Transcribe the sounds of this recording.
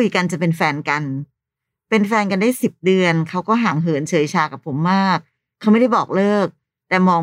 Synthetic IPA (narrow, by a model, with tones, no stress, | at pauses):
u˧ka˧nt͡ɕa˨˩pe˧nfɛː˧nka˧n | pe˧nfɛː˧nka˧ndaː˥˩jsi˨˩p̚dɯ˧ənkʰa˦˥wkɔː˥˩ɦaː˩˦ŋɦɤː˩˦nt͡ɕʰɤː˩˦jt͡ɕʰaː˧ka˨˩pʰːo˩˦mːaː˥˩k̚ʰː | a˦˥wma˥˩jda˥˩jbɔː˨˩k̚lɤː˥˩k̚ | t̪ɛː˨˩mɔː˧